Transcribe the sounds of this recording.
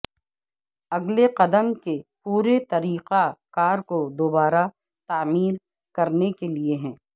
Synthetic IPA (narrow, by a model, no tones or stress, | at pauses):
ɐɡleqɐd̪əmkepuːɾet̪ɐɾiːqakaːɾkod̪oːbaːɾa | t̪aːmiːɾ | kɐɾnekelieɦɛ̃ː